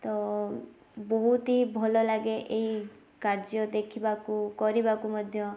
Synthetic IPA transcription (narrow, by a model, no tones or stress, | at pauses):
t̪ɔ | bɔɦut̪ibʱɔlɔlaɡeʔeɦi | kaɾd͡ʒɔd̪ekʰibakukɔɾibakumɔd̪ʱjɔ